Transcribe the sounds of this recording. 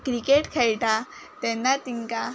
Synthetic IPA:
kɾikeʈkʰajʈ̪a | t̪ɛnːat̪iŋka

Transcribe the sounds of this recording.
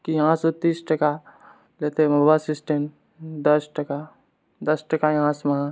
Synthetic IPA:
kijɐɦãsʊt̪ːisʈɐka | leːt̪emɐbasɪsʈen | d̪ɐsʈɐka | d̪ɐsʈɐkajɐɦãsmɐɦã

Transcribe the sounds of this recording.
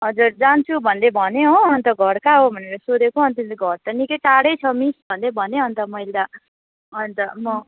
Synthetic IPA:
ɦʌd͡zurd͡zant͡sʰubʱʌnd̪ebʱʌneɦoʌnt̪ʌɡʱʌɽkaɦobʱʌneɾʌsod̪ekʰoɦʌnt̪int̪eɡʱʌɾt̪ʌnikʌjʈaɽʌjt͡sʰʌmisbʱʌnd̪ebʱʌneʌnt̪ʌmʌjld̪a | ʌnt̪ʌmʌ

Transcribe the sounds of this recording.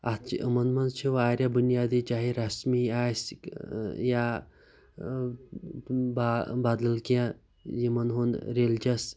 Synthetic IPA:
ɐt͡ʃḭʔəmɐnmɐnt͡ʃʰiʋaːɾʲjabunjaːd̪iːt͡ʃaːɦiɾɐsmiaːjs | ja | babaːd̪lɐlkjã | jimɐnɦonɾeld͡ʒɐs

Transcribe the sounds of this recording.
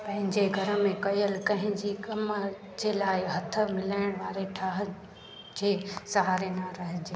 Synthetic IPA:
pɐ̃ɦɪ̃ɲd͡ʑeɡʱɐɾə̆mẽkɐjəlkɐ̃ɦɪ̃ɲd͡ʑikɐmə | d͡ʑeːlaːɪɦɐt̪ʰə̆mɪlaːɪɽ̃ʋaːɾeʈʰaːɦə | d͡ʑeːsɐɦaːɾenaɾɐɦɪ̃d͡ʑeː

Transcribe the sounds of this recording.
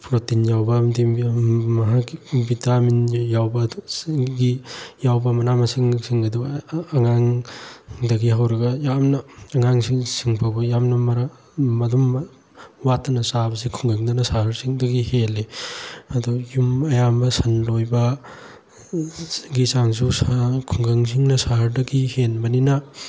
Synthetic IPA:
pɾotinjawbɐmdimɐɦaɡibitaminjawbɐ | ɡijawbɐmɐnamɐsiŋsiŋɐduɐŋaŋ | dɐɡiɦawɾɐɡɐjamnɐːŋaŋsiŋsiŋpʰabɐjamnɐmɐɾ | mɐdum | watːɐnɐsabɐsikʰuŋɡɐŋdɐnɐsahɐɾsiŋdɐɡiheleɐdujumɐjambɐsɐnlojbɐ | ɡisaŋs̬uskʰuŋɡɐŋs̬iŋnɐsaɦɐɾdɐɡihenbɐninɐ

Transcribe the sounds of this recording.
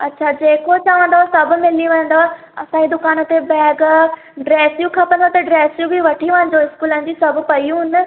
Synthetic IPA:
ɐtːɕʰad͡ʑeːkot͡ɕaːʋə̃nd̪osɐbʱʊ̆mɪliʋẽːə̃n̆d̪o | ɐsãid̪ʊkaːnə̆t̪ebɛːɡ | ɖɾeːsjũkʰɐpə̃nd̪ot̪ɐɖɾeːsjũbʱiʋɐʈʰiʋãːɲd͡ʑoɪskuːlə̃ːnd͡ʑisɐbʱʊ̆pɐijũnə

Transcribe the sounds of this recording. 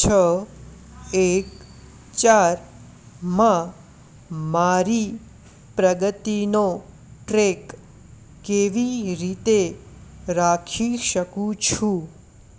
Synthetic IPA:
t͡ʃʰə | ek | t͡ʃaɾ | mã | maɾi | pɾəɡət̪ino | ʈɾekː | eʋiɾit̪e | ɾakʰiʃəkũt͡ʃʰũ

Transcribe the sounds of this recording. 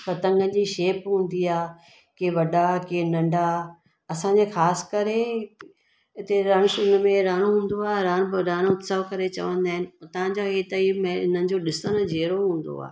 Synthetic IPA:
fɐt̪ɐ̃ŋɡənd͡ʑiːʃeːpɦũːnd̪iaː | keʋɐɗakenɐ̃ɳɖʱa | ɐsãɲd͡ʑexaːskɐɾe | ɦɪt̪eɾɐɽ̃sʊnmẽɾaːɽ̃oɦũːnd̪oaːɾaːɽ̃ɾaːɽ̃ot̪səʋkɐɾet͡ɕɐ̰ʋə̃nd̪aːɦɪnɪ̆t̪ɐʋãɲd͡ʑaɦeːt̪əimẽɪnənɪ̆d͡ʑoːɗɪsəñə̃d͡ʑʱeːɾoɦũːnd̪o̰a̰ː

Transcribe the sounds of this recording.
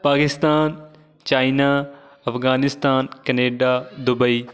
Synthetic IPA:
paːkɪst̪aːn | t͡ʃaːinaː | ɐfʰɡaːnɪst̪aːnkɐneːɖaːd̪ʊbəiː

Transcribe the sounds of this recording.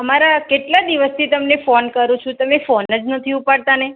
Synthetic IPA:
əmaɾakeʈlad̪iʋəst̪ʰit̪əmnefonkəɾũt͡ʃʰũt̪əmefonəd͡ʒnət̪ʰiupaɽt̪ane

